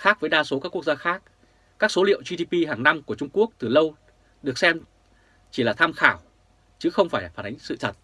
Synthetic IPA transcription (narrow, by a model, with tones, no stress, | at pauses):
xaː˦˥k̚vəː˨˦jɗaː˧so˨˦kaː˦˥kːu˦˥k̚zaː˧xaː˦˥k̚ | kaː˦˥k̚so˨˦lḭ˧˨əwzi˧ɗi˧pi˧ɦaː˨˩ŋna˧mku˧˩ət͡ɕʊ˧ŋ͡mku˦˥ək̚t̪ɨ˨˩lə˧w | ɗɨ˨˩ək̚sɛ˧m | t͡ɕi˧˩laː˨˩t̪ʰaː˧mxaː˧˩w | t͡ɕɨ˨˦xə˧wŋ͡mfaː˧˩jfaː˧˩nʔa˨˦ŋ̟sɨ̰˧˨t̪ʰə˨˩t̚